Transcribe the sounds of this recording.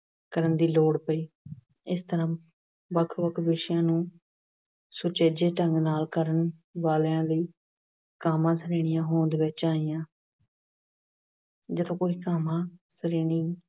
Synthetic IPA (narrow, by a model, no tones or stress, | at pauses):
kəɾənd̪iːloːɽpəiː | ɪst̪əɾãː | ʋəkʰʋəkʰʋɪʃɪjãːnũː | sʊt͡ʃeːd͡ʒeːʈəŋɡnaːlkəɾənʋaːlːãːləiː | kaːmãːsəɾeːɽ̃ɪjãːɦoːnd̪ːʋɪt͡ʃaːijãː | d͡ʒət̪ʰõːkoːiːkaːmãːsəɾeːɳiː